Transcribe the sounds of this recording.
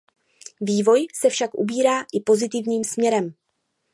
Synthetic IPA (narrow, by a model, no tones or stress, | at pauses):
viːvo̞jsɛfʃakʔṵbiːɾaːʔɪpo̞zɪt̪ɪvɲiːmsmɲɛɾɛm